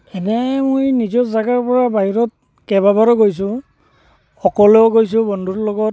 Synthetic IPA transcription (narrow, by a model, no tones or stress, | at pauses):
ɛnɛmojnizɔzaɡaɹpɔɹabaɦiɹɔt̚ | kɛbabaɹɔɡojs̬ʊ̃ | xɔkɔlʊɔɡojs̬ʊ̃bɔndʱutlɔɡɔt